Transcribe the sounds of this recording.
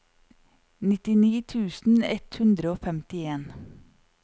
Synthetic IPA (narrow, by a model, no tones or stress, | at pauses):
nɪt̪ɪniːt̪ʰʉːsn̩ɛt̪hʉnd̪ɾəoːfɛmt̪ɪeːn